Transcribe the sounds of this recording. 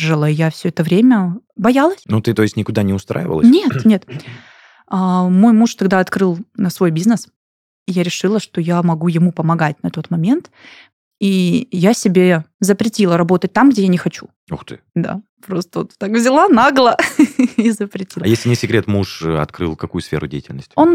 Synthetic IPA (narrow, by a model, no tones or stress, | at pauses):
ʐɨlˠəjafsʲɵɛt̪əvɾʲemʲəbɐjalˠəsʲnut̪ɨt̪o̞jɪsʲtʲnʲɪkʊd̪anʲɪʊst̪ɾa̰jɪ̰və̰ə̰snʲet̪nʲe̞t̪ | amo̞jmuʂt̪ɐɡd̪aɐt̪kɾɨlˠsvo̞jbʲiznəs | ijaɾʲɪʂɨlˠəʂt̪o̞jamɐɡujɪmupəmɐɡat̚ʲnɐt̪o̞t̪mɐmʲe̞nt̪ | ijasʲɪbʲezəpɾʲɪtʲilˠəɾɐbo̞t̪ət̚ʲt̪amɡdʲejanʲɪxɐt͡ɕu | oxt̪ɨ̰ | d̪a̰ | pɾo̞st̪əvot̪t̪akvzʲɪlˠanaɡlˠəizəpɾʲɪtʲil̰ˠjesʲlʲɪnʲɪsʲɪkɾʲe̞t̪muʂɐ̰t̪kɾɨ̰lˠkɐkujʊsfʲḛɾʊ̰dʲḛjɪtʲɪ̰lʲnə̰sʲtʲo̞n